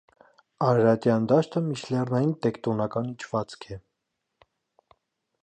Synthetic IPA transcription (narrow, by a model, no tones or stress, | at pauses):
ɑɾɾɑt̪jɑnd̪ɑʃt̪əmiʃlɛrnɑjint̪ɛkt̪ɔnɑkɑnit͡ʃʰvɑt͡skʰɛ